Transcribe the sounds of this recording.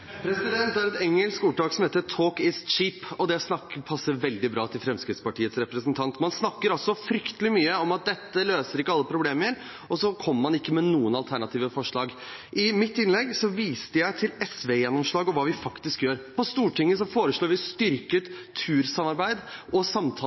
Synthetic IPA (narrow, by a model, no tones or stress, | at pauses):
pʰɾɛsɪd̪ɛnt̪æɾɛt̪ɛŋːəlskuːʈɑːksɔmheːt̪ət̪ʰoːkɪst͡ʃiːpɔd̪ɛsnɑkːəpʰɑsːəɾʋɛld̪ɪbɾɑːt̪ʰɪlfɾɛmskɾɪt̪spɑʈiːət̪sɾɛpɾəsnt̪ʰɑnt̪mɑnsnɑkːəɾɔsɔfɾʏkt̪əlɪmyːəɔmɑt̪̚d̪ɛt̪ːəløːsəɾɪkːəɑlːəpʰɾʊbleːməɾ | ɔsɔkʰɔmːəmɑnɪkːəmɛnuːənɑlt̪ʰæɳɑt̪ʰiːʋəfɔʂɭɑːɡ | ʔɪmɪt̪ːɪnlɛɡsɔʋiːst̪əjæɪt̪ʰɪlɛsʋejɛnːɔmʂɭɑːɡɔʋɑːʋɪfɑkt̪ɪskjøːɾpʰɔst̪uːʈʰɪŋːəsɔfoːɾəʂɭoːɾʋɪst̪ʏɾkət̪ʰʉːɾsɑmɑɾbæɪd̪ɔsɑmt̪ʰɑ